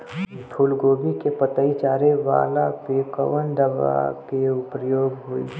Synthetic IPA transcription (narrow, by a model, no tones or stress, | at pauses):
pʰʊlɡoːbikepət̪əit͡ʃaːɾeʋa̰ːlapeːkəʋənd̪əʋa̰keʊpɾjoːɡɦuḭ